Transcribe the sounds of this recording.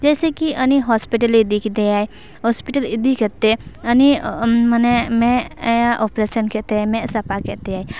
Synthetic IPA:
d͡ʒɛːsekiʔɐniɦɔːspiʈəlid̪ikid̪eaːe | ɦɔːspɪʈəlɪd̪ikɛt̪eɐnimənɛmɛ̃jaʔoːpɾeʃənkɛt̪eamɛ̃sɐpakɛt̪eaːe

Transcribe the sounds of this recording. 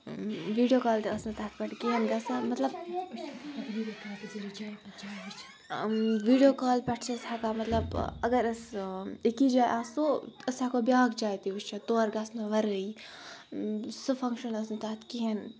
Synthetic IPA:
ʋiːɖijoːkaːlt̪eəsnɨt̪ɐɦt̪̚ʰpʲɐʈkiɦenɡɐsamɐt̪lɐb | ʋiːɖijoːkaːlpʲɛʈʰt͡ʃɐshakamɐt̪lɐbɐɡɐɾɐsekid͡ʒaːjʔaːsoɐsakobjaːɡd͡ʒaːjt̪iust͡ʃʰɐt̪oːɾɡɐsnɐʋɐɾəi | sɨfʰɐŋkʃɐnɐsnɨt̪ɐɦt̪ʰkiɦen

